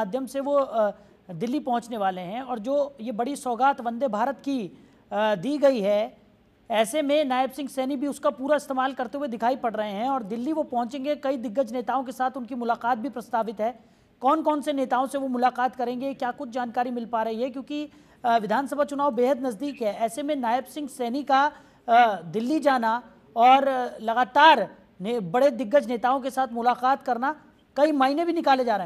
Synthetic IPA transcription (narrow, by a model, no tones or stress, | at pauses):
aːd̪ʱjəmseʋo | d̪ɪlːipɐ̃ɦʊ̃t͡ʃneʋaːleɦɛ̃ɔːɾd͡ʒoːjebɐɽisɔːɡaːt̪ʋɐ̃nd̪ʱebʱaːɾət̪ki | d̪iːɡɐiɦɛ | ɛːsemẽnaːɪbsɪ̃ŋɡsɛːnik̚bʱiʊskapuːɾaɪst̪eːmaːlkɐɾt̪eɦued̪ɪkʰaːipɐɽɾɐɦeɦɛ̃ɔːɾd̪ɪlːiʋopɐ̃ɦʊ̃t͡ʃẽːŋɡekɐid̪ɪɡːət͡ʃneːt̪aːõkesaːt̪ʰʊnkimʊlaːqaːt̪̚bʱipɾɐst̪aːʋɪt̪ɦɛː | kɔːnkɔːnseneːt̪aːõseʋomʊlaːqaːt̪kɐɾẽːŋɡekjaːkʊt͡ʃʰd͡ʒaːnkaːɾimɪlpaːɾɐɦiɦɛkjõːki | ʋɪd̪ʱaːnsɐbʱat͡ʃʊnaːwbeːɦəd̪nɐzd̪iːkɦɛːʔɛːsemẽnaːɪbsɪ̃ŋɡsɛːnika | d̪ɪlːid͡ʒaːna | ɔːɾlɐɣaːt̪aːɾ | nebɐɽed̪ɪɡːət͡ʃneːt̪aːõkesaːt̪ʰmʊlaːqaːt̪kɐɾna | kɐimaːinẽbʱinɪkaːled͡ʒaːɾɐɦẽ